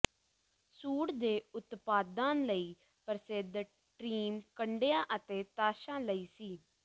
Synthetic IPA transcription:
suːɽd̪eːʊt̪paːd̪ãːnləiː | pəɾseːd̪ə | ʈɾiːmkəɳɖejãːʔət̪eːt̪aːʃãːləiːsiː

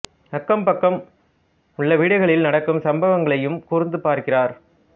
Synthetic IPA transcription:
ɐkːɐmpɐkːɐm | ʊɭːɐʋiːɽɐɪɣɐɭɪlnɐɽɐkːɯmsɐmbɐʋɐŋɡɐɭɐjɯmkuːrɯnd̪ɯpaːɾkɪraːɾ

